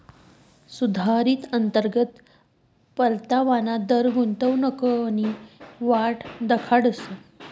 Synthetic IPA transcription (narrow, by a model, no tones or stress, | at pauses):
sud̪ʱaɾiːt̪ənt̪əɾɡət̪ | pəlt̪aʋanad̪əɾɡunt̪əʋnəkəaniʋaʈd̪əkʰaɽəsə